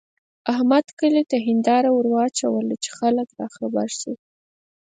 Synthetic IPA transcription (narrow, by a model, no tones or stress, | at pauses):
ahmad̪kəlit̪aɦɪnd̪ɑɾawʊɾwɑt͡ʃawəlit͡ʃe̥xaləkɾɑxabaɾsi